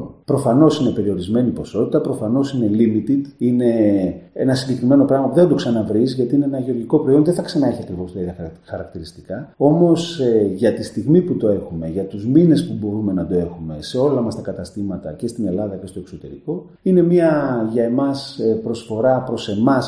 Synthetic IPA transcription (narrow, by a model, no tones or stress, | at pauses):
pɾo̞fɐno̞sine̞pe̞ɾio̞ɾizme̞nipo̞so̞t̪it̪ɐpɾo̞fɐno̞sine̞limit̪id̪ine̞enɐsiɟe̞kɾime̞no̞pɾɐɣmɐpuðed̪o̞ksɐnɐvɾizʝɐt̪iineenɐʝeo̞ɾʝiko̞pɾojo̞nðeθɐksɐnɐe̞çiɐkɾivo̞st̪oiðɐxɐɾɐkt̪iɾist̪i̥kɐo̞mo̞seʝɐt̪ist̪iɣmiput̪o̞e̞xume̞ʝɐt̪uzmine̞spubo̞ɾume̞nɐd̪o̞e̞xume̞se̞o̞lɐmɐst̪ɐkɐt̪ɐst̪imɐt̪ɐ̰ce̞st̪ine̞lɐðɐce̞st̪oekso̞t̪e̞̰ɾḭko̞ | ine̞mɲɐʝɐe̞mɐspɾo̞sfo̞ɾɐpɾo̞se̞mɐs